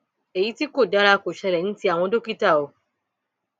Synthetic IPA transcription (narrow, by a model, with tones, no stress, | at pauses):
e˨ji˨˦ti˦ko˦˨da˨˦ɾa˧ko˨ʃɛ˧ɾɛ˨ñ̩˦ti˧a˨w̃ɔ̃˧do˦ki˦ta˦˨o˧